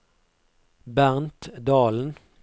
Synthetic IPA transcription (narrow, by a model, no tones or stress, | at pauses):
bæʁnt̪d̪ɑːln̩